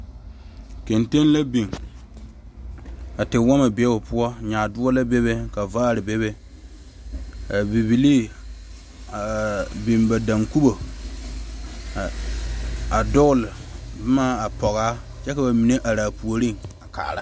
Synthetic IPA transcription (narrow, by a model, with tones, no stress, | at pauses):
ke˨nte˦n˦la˦bi˨ŋ | a˨tɪ˨wɔ˦ma˨bɛ˦o˨pʊ˦ɔ˦ɲaː˨dʊ˦ɔ˦la˦be˦βe˦ka˨vaː˦˨ɾɪ˨be˦βe˦ | a˨bi˨bi˨li˦ | a˨bi˨mba˨da˨ŋku˦bo˨ | a˨dʊ˦ɣʊ˦lɪ˨ba˦maː˦a˨pɔ˨ɣaː˦ | t͡ʃɛ˦ka˨ba˨mi˨ne˦ʔa˨ɾaː˨pu˨o˨ɾi˦ŋa˨ka̰˨ɾa˦